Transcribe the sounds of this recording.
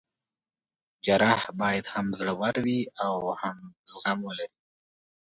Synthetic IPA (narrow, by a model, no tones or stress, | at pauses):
d͡ʒaɾahbɑjad̪hamzɽəwaɾwiawhamz̥ɣamwəlaɾi